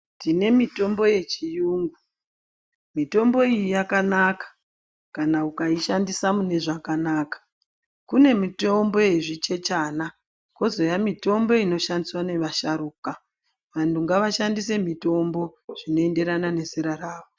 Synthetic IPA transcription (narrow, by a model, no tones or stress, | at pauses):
tdine̞mito̞mbo̞je̞t͡ʃijuːŋɡu | mito̞mbo̞ijijakanakḁ | kanaukaiʃandisamune̞ʐakanaːkḁ | kune̞mito̞mbo̞eʐit͡ʃe̞t͡ʃana | ko̞zo̞jamito̞mbo̞ino̞ʃandiswane̞ʋaʃaɾuːka | ʋantuŋɡaʋaʃandis̬e̞mito̞mbo̞ʐ̥ino̞e̞nde̞ɾanane̞siɾaraːʋo